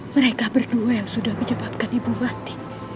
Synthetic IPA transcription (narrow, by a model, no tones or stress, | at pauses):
məɾekabərduajaŋsudahməɲəbap̚kanibumat̪i̥